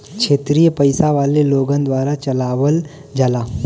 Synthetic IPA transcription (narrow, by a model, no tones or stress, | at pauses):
kʃʰeːt̪ɾijəpɐɪsaʋaːleloːɡə̃nd̪ʋaːɾat͡ʃɐlaːʋəl | d͡ʒaːlaː